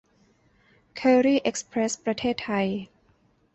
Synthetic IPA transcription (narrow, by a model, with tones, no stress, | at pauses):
kʰəː˧ɾiː˥˩ʔe˦˥k̚spɾe˦˥spɾa˧t̪ʰeː˥˩t̪ʰːa˧j